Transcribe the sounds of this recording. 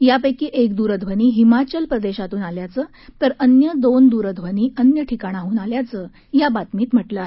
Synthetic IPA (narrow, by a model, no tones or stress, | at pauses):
japəjkiːʔekd̪uːɾəd̪ʱʋəniːɦimat͡ɕəlpɾəd̪eɕat̪uːnaljat͡səː | t̪əɾənjəd̪ond̪uːɾəd̪ʱʋəniːənjəʈʰikaɽ̃aɦuːnaljat͡səː | jabat̪miːt̪m̤əʈlae